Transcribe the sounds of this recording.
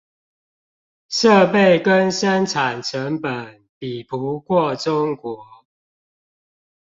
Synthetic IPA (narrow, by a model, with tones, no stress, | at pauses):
ʂə˥˨˧pe˥˨ɪkə˦nʂa˦nʈ͡ʂʰa˨˩nʈ͡ʂʰə˨˦ŋpə˨˩n | pi˨˩pʰu˨˦kwɔ˥˨ʈ͡ʂʊ˦ŋkwɔ˨˦